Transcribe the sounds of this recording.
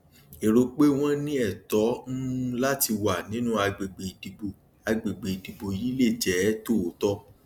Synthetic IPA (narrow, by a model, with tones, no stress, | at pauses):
e˨ɾo˧k͡pe˦w̃ɔ̃˦nĩ˦ɛ˦˨tɔ˨˦ñ̩˦la˦ti˧wa˨nĩ˨˦nũ˦a˧ɡ͡be˨ɡ͡be˨di˨ɡ͡bo˨ | a˧ɡ͡be˨ɡ͡be˨i˨di˨ɡ͡bo˨ji˨˦le˦˨d͡ʒɛ˨˦to˦o˨˦tɔ˦